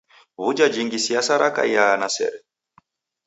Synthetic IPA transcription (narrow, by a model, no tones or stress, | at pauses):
βud͡ʒad͡ʒiŋɡisiasaɾaka̰janasɛ̰ɾɛ